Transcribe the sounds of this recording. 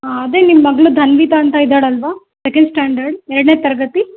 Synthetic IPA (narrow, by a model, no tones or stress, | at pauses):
aɐd̪e̞ːnimːɐɡɐɭud̪ʱɐnʋiːt̪aːnt̪ɐid̪ːaːɽɐlʋaː | sekɐɳɖsʈaːɳɖɐɾɖɛɾɐɽneːt̪ɐɾɐɡɐt̪i